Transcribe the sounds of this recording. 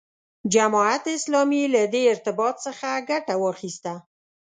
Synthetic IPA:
d͡ʒamɑat̪ɪslɑmilad̪eɪɾt̪ɪbɑt̪səxaɡaʈawɑxist̪a

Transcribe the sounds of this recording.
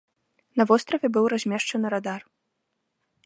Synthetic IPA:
nɐvɔst̪ɾɐvʲɛbɨwɾazʲmʲɛʂt͡ʂɐnɨɾad̪ar

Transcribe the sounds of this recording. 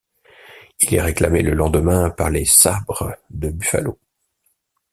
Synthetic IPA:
ilɛ̰ʁeklameləlɑ̃d̪əmɛ̃paʁlesabʁəd̪əbyfa̰lo

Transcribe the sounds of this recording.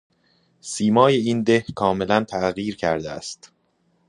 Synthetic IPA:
siːmɒːje̞iːnd̪ehkʰɒːme̞lænt̪ʰæʔɣiːɾcʰæ̰ɾd̪eæ̰st̪

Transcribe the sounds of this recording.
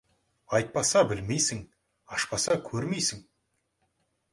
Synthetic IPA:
ɑjt̪̚pɑsɑbɪlme̞jsɪŋ | ɑʃpɑsɑkʲʰɵɾme̞jsɪŋ

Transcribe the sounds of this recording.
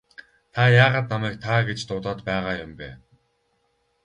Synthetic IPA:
t̪ʰajaːʁaːt̪̚namæːk̚t̪ʰaɡet͡ɕt̪ʊt̪ɔːt̪pæːʁaːjʊmpeː

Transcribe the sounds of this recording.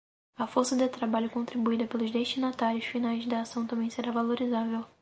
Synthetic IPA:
ɐfoɾsɐd̪ɪt̪ɾabaʎʊkõnt̪ɾibuid̪ɐpelʊzd̪eʃt͡ʃinat̪aɾjʊsfinajzd̪ɐːsɐ̃w̃t̪ɐ̃mbẽj̃seɾavaloɾizavew

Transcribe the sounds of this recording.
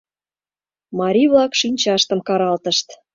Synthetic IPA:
mɑɾʲiβlɑkʃinʲt͡ɕɑʃt̪ə̆mkɑɾɑlt̪əʃt̪

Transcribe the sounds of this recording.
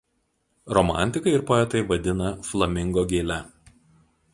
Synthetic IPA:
ɾɔmɑ̰ˑnʲˑt̪ʲɪkɐɪɪɾpoːɛt̪ɐɪʋɐd̪ʲɪnɐflˠɐmʲɪŋɡoːɡʲeːlʲɛ

